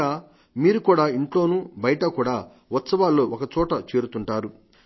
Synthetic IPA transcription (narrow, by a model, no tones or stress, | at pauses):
aː | miːɾukuːɽaːiɳʈlo̞ːnuːbɐjɐʈɐkuːɽaː | ʋɐt̪sɐʋaːlːoːʔɔkɐt͡ʃɔːʈɐt͡ʃe̞ːɾut̪uɳʈaːɾu